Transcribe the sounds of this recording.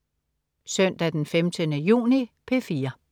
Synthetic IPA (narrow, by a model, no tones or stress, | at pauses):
sœn̰d̥æd̥enfemd̥ənəjṵːnipʰe̝fiːɐ